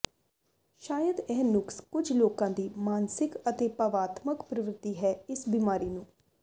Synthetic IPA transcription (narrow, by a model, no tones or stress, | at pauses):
ʃaːjəd̪ɛːnʊkskʊd͡ʒloːkãːd̪iːmaːnsɪkət̪eːpəʋaːt̪məkpɾəʋɾɪt̪ːiːɦɛːɪsbiːmaːɾiːnũː